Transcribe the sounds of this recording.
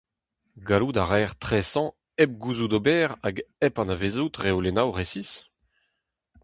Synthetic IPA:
ɡalud̪aʁɛːʁt̪χɛsɑ̃ | ɛp̚ɡuzud̪obɛːʁaɡɛpɑ̃navezut̪ʁeolenawʁesis

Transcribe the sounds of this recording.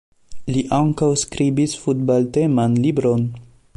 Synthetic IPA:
liʔaŋkawskɾibisfutbalte̞manlibɾo̞n

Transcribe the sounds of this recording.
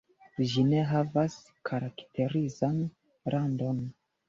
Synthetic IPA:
ʒine̞ɦavas | kʰaɾaktʰe̞ɾizan | ɾʔando̞n

